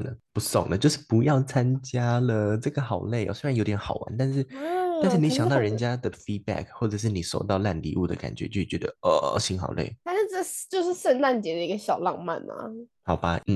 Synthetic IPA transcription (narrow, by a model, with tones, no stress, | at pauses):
də˨pu˧˥so̰˨˩ŋd̪ə˦t͡ɕjo˥˧ʊʂɻ̩˥˩pu˧˥jɑ˥˩ʊt͡sʰa˥nt͡ɕja˥lə˨ʈ͡ʂɤ˥˩ɡə˩xɑ˨˩ʊle˥˩ɪʔə̰˧˩swe˥ɻa˧˥njo˧˥ʊt̪jɛ˧˥nxɑ˨˩ʊwa̰˧˦nt̪a˥˧nʂɻ̩˥˩˥t̪nʂɻ̩˥˩ni˧˥ɕjɑ˨˩ŋt̪ɑ˥˩ʊɻə˧˥nt͡ɕja˥d̪ə˨fi˥t̚bæ̰˥˩k̚ʰxwɔ˥˩ʈ͡ʂɤ˨˩ʂ̬ɻ̩˥˩ni˨˩ʂo̰˨˩ʊt̪ɑ˥˧ʊla˥˧nlḭ˧˥u˥˩d̪ə̰˩ka̰˨˩nt͡ɕɥɛ̰˧˦t͡ɕo˥˧˥t͡ɕɥɛ˧˥d̪ə̰˧ɔ˧˩ɕi˥nxɑ̰˨˩ʊlʔḛ˥˩ɪt̪ʰa˥˧ʂ̩˥˧t͡sə˥˩t͡ɕjo˥˧ʊʂɻ̩˥˩sə˥˧nt̪a˥˩nt͡ɕjɛ˧˥d̪ə˧i˧˥ɡə˧ɕjɑ˨˩ʊlɑ˥˧ŋma̰˥˩nɐ̰˨˩hɑ˨˩ʊba˦n̩˥˩